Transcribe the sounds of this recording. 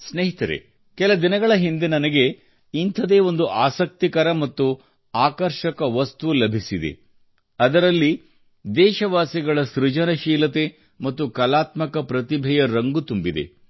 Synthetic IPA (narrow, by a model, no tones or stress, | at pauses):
sneɦit̪ɐɾḛ | kɛlɐd̪inɐɡɐɭɐɦind̪e̞nɐnɐɡe̞ | int̪ʰɐd̪e̞ːo̞nd̪uʔaːsɐk̚t̪ikɐɾɐmɐt̪ːu | aːkɐɾʃɐkɐʋɐst̪uʋulɐbʱisid̪e̞̰ | ɐd̪ɐɾɐlːi | d̪ɛːʃɐʋaːsiɡɐɭɐsɾud͡ʒɐnɐʃiːlɐt̪e̞ | mɐt̪ːukɐlaːt̪mɐkɐpɾɐt̪ibʱɛjɐɾɐŋɡut̪umbid̪e̞̰